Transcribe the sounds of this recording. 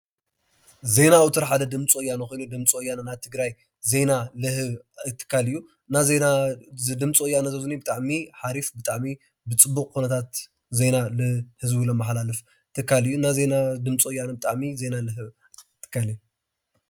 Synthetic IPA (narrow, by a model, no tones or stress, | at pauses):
ze̞nawut̪ʰɨɾħad̪ɐd̪ɨmt͡sʼojanɐxojnud̪ɨmt͡sʼojːananaβt̪ʰɨɡɾaj | ze̞nalɨhɨβt̪ʰːɨ̥kʰːalɨjːu | nazenad̪ɨmt͡sʼojːanɐzɐzɨnibɨt̪ʼaʕmiħaɾifbɨt̪ʼaʕmi | bɨt͡sʼɨbːukʼkunɐt̪ʰat̪ | ze̞nalɨhɨzbɨlɐmːaħlalɨf | t̪ʰɨkʰːalɨjːunaze̞nad̪ɨmt͡sʼojːanɐbɨt̪ʼaʕmize̞nalɨɦɨβ | t̪ʰːɨ̥kʰːalɨjːu